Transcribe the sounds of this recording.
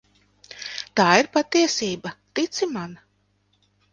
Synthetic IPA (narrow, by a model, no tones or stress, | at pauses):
t̪aːiɾpat̪iɛsiːbat̪it̪siman